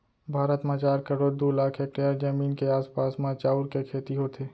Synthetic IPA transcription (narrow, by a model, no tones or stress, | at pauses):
bʱaːɾət̪mãt͡ʃaːɾkəɾoːɾd̪uːlaːkʰeːk̚ʈaɾd͡ʒəmiːnkeaːspaːsmãt͡ʃaːʊɾkekʰeːt̪iɦot̪ʰeː